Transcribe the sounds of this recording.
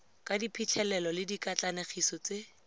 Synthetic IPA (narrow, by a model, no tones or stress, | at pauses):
kadipʰit͡ɬʰɛlɛlɔlɪdikat͡ɬaneχisɔt͡se